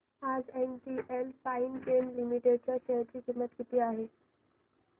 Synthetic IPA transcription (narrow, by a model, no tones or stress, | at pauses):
ad͡zenʈiʔelfainɡenlimiʈeɖ̚t͡ɕaɕəjɾt͡ɕiːkimːət̪kit̪iːaɦe